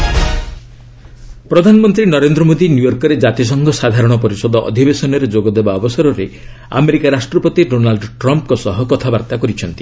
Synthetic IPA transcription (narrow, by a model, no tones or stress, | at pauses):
pɾɔd̪ʱanɔmɔnt̪ɾinɔɾend̪ɾɔmod̪injujɔɾkɔɾed͡ʒat̪is̬ɔŋɡʱɔsad̪ʱaɾɔɽ̃ɔpɔɾisɔd̪ɔʔɔ̰d̪ʱibesɔnɔɾed͡ʒoɡɔd̪ebaɔbɔsɔɾɔɾe | a̰meɾikaɾasʈɾɔpɔt̪iɖonalɖʈɾɔmpkɔsɔɦɔkɔt̪ʰabaɾt̪akɔɾit͡ʃʰɔnt̪i